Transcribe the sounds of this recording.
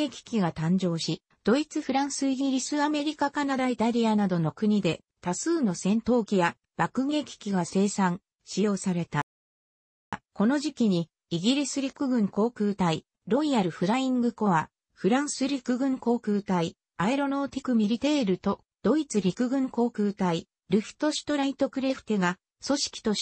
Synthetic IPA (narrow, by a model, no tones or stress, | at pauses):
ekʲi̥kʲiɡat̪ãɲ̟d͡ʑo̞ːɕi | d̪̥o̞it͡sɨɸɯ̟ɾãɰ̃sɨiɡʲiɾʲisɨβame̞ɾʲikakanaɾait̪aɾʲianad̪o̞no̞kɯ̟ɲ̟id̪e̞ | t̪asɨːno̞sẽ̞nt̪o̞ːkʲija | b̥akɯ̟ɡe̞kʲi̥kʲiɡase̞ːsãŋ | ɕijo̞ːsaɾe̞t̪a | ko̞no̞ʑikʲiɲ̟i | iɡʲiɾʲisɨɾʲikɯ̟ɡɯ̟̃ŋko̞ːkɯ̟ːt̪ai | ɾo̞iaɾɯ̟ɸɯ̟ɾaĩŋɡɯ̟ko̞βa | ɸɯ̟ɾãɰ̃sɨɾʲikɯ̟ɡɯ̟̃ŋko̞ːkɯ̟ːt̪ai | aeɾo̞no̞ːt̪ikɯ̟mʲiɾʲit̪e̞ːɾɯ̟t̪o̞ | d̪̥o̞it͡sɨɾʲikɯ̟ɡɯ̟̃ŋko̞ːkɯ̟ːt̪ai | ɾɯ̟ɸi̟̥t̪o̞ɕi̥t̪o̞ɾait̪o̞kɯ̟ɾe̞ɸɯ̟̥t̪e̞ɡa | so̞ɕi̥kʲi̥t̪o̞